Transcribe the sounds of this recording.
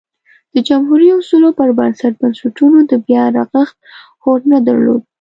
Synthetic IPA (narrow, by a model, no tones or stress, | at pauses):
d̪̥əd͡ʒamɦuɾiʊsulopəɾbansaʈ̚bansaʈunod̪əbjɑɾɑɣaxt̪̚ | xoɾnad̪a̰ɾlo̰d̪̚